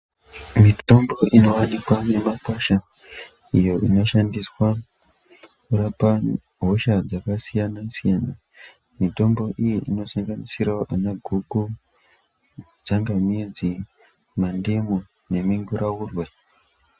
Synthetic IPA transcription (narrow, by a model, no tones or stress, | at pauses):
mito̞mbo̞ʔino̞wanikwane̞makaʃa | ijo̞ʔino̞ʃandiswa | kuɾapa | ɦo̞ʃad͡zakasijanasijana | mito̞mbo̞ʔijiʔino̞saŋɡanisirwaʔanaɡʱuku | d͡zaŋɡamid͡zi | mandemo | ne̞miŋɡuɾʔawurwe